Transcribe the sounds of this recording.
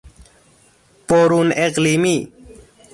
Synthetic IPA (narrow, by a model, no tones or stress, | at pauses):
poːɾuneqliːmi